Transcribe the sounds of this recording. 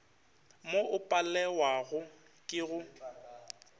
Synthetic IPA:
moʔʊpʼalɛwaɣʊ | kʼɪɣʊ

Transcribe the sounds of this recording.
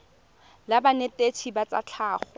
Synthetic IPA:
labanetetʰibat͡sa̰t͡ɬʰaːχɔ

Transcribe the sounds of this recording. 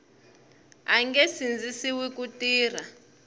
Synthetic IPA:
aŋɡesind͡zisiwikutiːr̤a

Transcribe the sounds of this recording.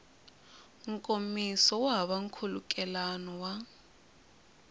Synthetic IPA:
ŋ̩kʼomisɔwaβaŋ̩kʰulṵkʼɛlanɔwa

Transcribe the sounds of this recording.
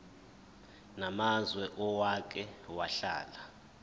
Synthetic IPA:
namazwɛʔɔwak̬ɛwaɬa̰ːla

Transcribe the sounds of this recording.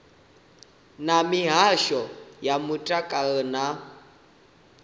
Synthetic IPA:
namiɦaʃɔjamutʼakʼana

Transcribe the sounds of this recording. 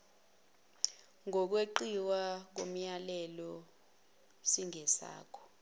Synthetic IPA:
ŋɔk̬weǃiwak̬om̩jalɛlɔ | siŋɛsa̰ːkʰɔ̥

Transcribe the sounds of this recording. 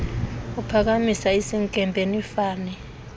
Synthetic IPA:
upʰak̬amisaesiŋkʼɛmbʱenifaːnɛ

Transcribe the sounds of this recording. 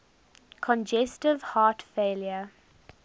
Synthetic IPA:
kʰɔ̃nd͡ʒɛstɪvhaːtfeːljə

